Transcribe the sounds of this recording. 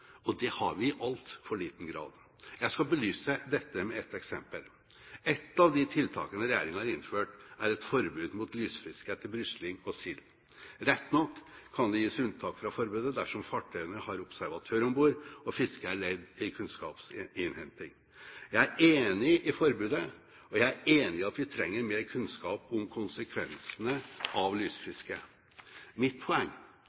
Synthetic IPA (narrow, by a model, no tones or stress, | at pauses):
ɔd̪ɛhɑ̰ɾʋɪɪʔɑlt̪fɔɭiːt̪n̩ɡɾɑ̰ːd̪ | jæɪskɑbəlyːsəd̪ɛt̪ːəmɛɛt̪ːɛksɛmpəl | ɛt̪ːɑʋd̪ɪt̪ʰɪlt̪ʰɑ̰ːkənəɾɛjḛːɾɪŋhɑɾɪnføːʈæɾɛt̪fɔɾbʉːd̪muːt̪lyːsfɪskət̪ʰɪlbɾʏslɪŋɔsɪl | ɾɛt̪ːnɔkʰːɑnd̪ɛjiːsʉnt̪ʰɑːkfɾɑfɔɾbʉːd̪əd̪æʂɔmfɑʈʰːœʏənəhɑɾʊpsæɾʋɑt̪ʰøːɾɔmbuːɾɔfɪskəæɭɛd̪ɪkʰʉnskɑ̰ːpsɪnhɛnt̪ɪŋ | jæɪæɾʔeːnɪʔɪfɔɾbʉːd̪ə | ɔjæɪæɾeːnɪɑt̪ʋɪt̪ʰɾɛŋːəɾmeːɾkʰʉnskɑːpʊmkʰʊnsəkʰʋɛnsənəʔɑʋlyːsfɪskə | mɪt̪̚pʰɔɛŋː